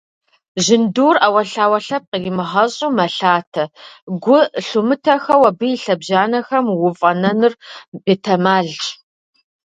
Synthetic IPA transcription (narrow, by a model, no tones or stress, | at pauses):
ʑɪnduːrawɐɬaːwɐɬɐp̚qəjɪmɨʁɐɕʼumɐɬaːtʰɐɡʷʊɬumɨtʰɐxɐwɐbɨjiɬɐbʑaːnɐxɐmwʊfʼɐnɐnɨrbeːtʰɐmaːɮt͡ʃʼ